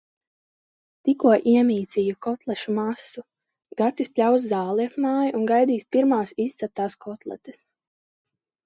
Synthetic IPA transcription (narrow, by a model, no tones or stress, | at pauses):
t̪ikuɔʔiɛmʲiːt̪sʲijukɔt̪lˠɛʃumasu | ɡat̪ispʲlʲaws̬zaːlˠiɛfmaːjuʔunɡajd̪iːspiɾmaːsist̪sɛp̚t̪aːskʰɔt̪lˠɛ̰t̪e̥s